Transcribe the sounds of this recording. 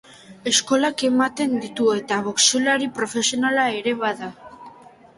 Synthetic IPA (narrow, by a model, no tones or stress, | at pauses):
e̞sko̞lake̞mat̪e̞nd̪it̪ue̞t̪aβoksulaɾipɾo̞fe̞sio̞nalae̞ɾe̞βaða